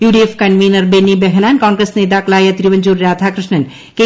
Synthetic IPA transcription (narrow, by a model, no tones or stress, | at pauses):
juːɖefkɐnʋiːnɐɾbenːibɛɦnaːnkaːŋɡɾesneːt̪aːklaːjɐt̪ɾiʋɐɲd͡ʒuːɾːaːt̪ʰakɾɪʃɳɐn | ke